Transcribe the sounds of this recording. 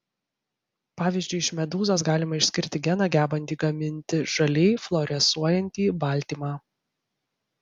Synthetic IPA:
pɑːʋʲiːzʲd͡ʒʲʊɪɪʃmʲɛd̪uːzoːs̬ɡɑːlʲɪmɐɪʃsʲkʲɪɾʲt̪ʲɪɡʲɛnɑɡʲæːbɐnʲt̪ʲiːɡɐmʲɪnʲt̪ʲɪʒɐlʲɛɪflˠɔɾʲɛsuɔjɛnʲt̪ʲiːbɑˑlʲt̪ʲiːmɑː

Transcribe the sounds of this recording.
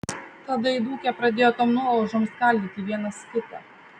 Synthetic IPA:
t̪ɐd̪ɐɪd̪uːkʲɛpɾɐd̪ʲeːjoːt̪omnuɔlˠʊʒomskɐˑlʲd̪ʲiːt̪ʲɪʋʲiɛnɐsʲkʲɪp̪ʲɛ̰

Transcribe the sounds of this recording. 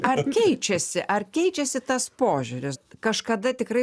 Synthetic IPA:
ɐrkʲɛɪt͡ʃʲɛsʲɪʔɐrkʲɛɪt͡ʃʲɛsʲɪt̪ɐspoːʒʲʊɾʲɪskɐʃkɐd̪ɐt̪ʲɪkɾɐɪ

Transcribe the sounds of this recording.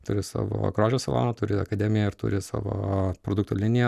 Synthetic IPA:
t̪ʊɾʲɪsɑ̰ːʋo̰ːɡɾoːʒʲoːsʲɐlˠo̰ːnɐt̪ʊɾʲɪɐ̰kɐd̪ʲɛːmʲɪjɛɪɾt̪ʊ̰ɾʲɪsɑ̰ːʋo̰ːpɾoːd̪ʊkt̪oːlʲɪnʲɪjɛ

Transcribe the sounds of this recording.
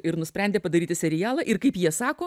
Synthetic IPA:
ɪɾnʊsʲpʲɾʲɛnʲd̪ʲeːpɐd̪ɐɾʲiːt̪ʲɪsʲɛɾʲɪjæːlˠɐːʔɪɾkɐɪpjiɛsɑːkoː

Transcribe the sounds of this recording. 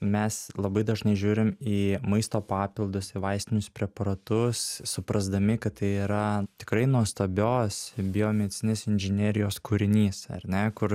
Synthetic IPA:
mʲɛslˠɐbɐɪd̪ɐʒnɐɪʒʲuːɾʲɪmiːmɐɪst̪oːpɑːpʲɪlˠd̪ʊsɪʋɐɪsʲt̪ʲɪnʲʊspʲɾʲɛpɐɾɐt̪ʊssʊpɾɐzd̪ɐmʲɪkɐt̪t̪ɐɪiːɾɐt̪ʲɪ̥kɾɐɪnuɔst̪oːbʲoːsbʲɪoːmʲɛd̪ʲɪt͡s̪ʲɪnʲeːsɪnʲʒʲɪnʲeːɾʲɪjoːskuɾʲɪnʲiːsɐ̰rʲnʲɛkʊr

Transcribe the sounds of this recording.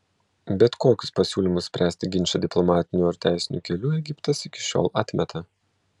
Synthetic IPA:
bʲɛt̪koːkʲʊspɐsʲuːlʲɪmʊssʲpʲɾʲʔæːsʲt̪ʲɪɡʲɪnʲt͡ʃʲɛd̪ʲɪplˠɔmɑːt̪ʲɪnʲuɐɾt̪ʲæˑɪsʲɪnʲuːkʲɛlʲuːɛɡʲɪpt̪ɐsɪkʲɪ̥ʃʲo̰ːlˠɑːt̪ʲmʲɛt̪ɐ

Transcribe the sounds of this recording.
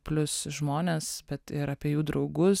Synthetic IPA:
pʲlʲʊsʒmoːnʲeːsbʲɛt̪ɪɾɑːpʲiɛjuːd̪ɾʔɒʊɡʊs

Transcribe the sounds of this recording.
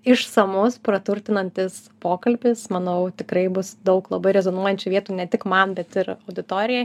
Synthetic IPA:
ɪʃsɐmʊspɾɐt̪ʊɾʲt̪ʲɪnɐnʲt̪ʲɪs | poːkɐlʲbʲɪsmɐnɐʊt̪ʲɪkɾɐɪbʊsd̪ɐʊklˠɐbɐɪɾʲɛzonuɔjɛnʲt͡ʃʲuʋʲiɛt̪uːnʲɛt̪ʲɪkmɐnbʲɛt̪ɪɾɐʊd̪ʲɪt̪oːɾʲɪjɛ

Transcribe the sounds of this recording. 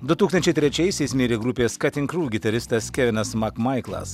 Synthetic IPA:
d̪ʊt̪uːkst̪ɐnʲt͡ʃʲɛɪt̪ʲɾʲɛt͡ʃʲɛɪsʲɛɪsmʲeːɾʲeːɡɾʊpʲeːskɐt̪ʲɪŋkɾuːɡʲɪt̪ɐɾʲɪst̪ɐskʲɛʋʲɪnɐsmɐkmɐɪklˠɐ̰s

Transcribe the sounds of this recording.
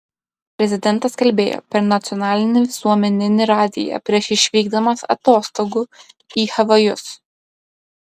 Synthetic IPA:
pʲɾʲɛzʲɪd̪ʲɛnˑt̪ɐskɐlʲbʲeːjo̰ːpʲɛɾnɐt̪sʲɪɔnɑːlʲɪnʲɪʋʲɪsuɔmʲɛnʲɪnʲɪɾɑːd̪ʲɪ̰jɛ̰pʲɾʲiɛʃɪʃʲʋʲiːɡd̪ɐmɐsɐ̰t̪oːst̪oɡuː | iːxɐʋɐjʊs

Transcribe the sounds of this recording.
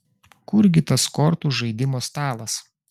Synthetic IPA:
kʊɾɡʲɪt̪ɐskɔɾt̪uːʒɐɪd̪ʲɪmoːst̪ɑːlˠɐs

